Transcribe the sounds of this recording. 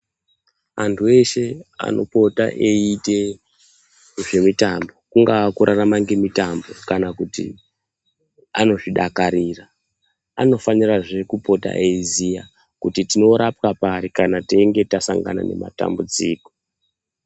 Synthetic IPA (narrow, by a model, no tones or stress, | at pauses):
antʰue̞ʃe̞a̰no̞po̞ta̰ʔeite̞ | ʐe̞mitambo̞kuŋɡakuɾaramaŋɡe̞mitambo̞kanakutḭ | ano̞ʐiɗakaɾiːra | a̰no̞faniraʐe̞kupo̞ta̰ʔezija | kutitino̞ɾapkapaɾikanateŋɡe̞tasaŋɡa̰na̰ne̞̰ma̰ta̰mbud͡ziːko̥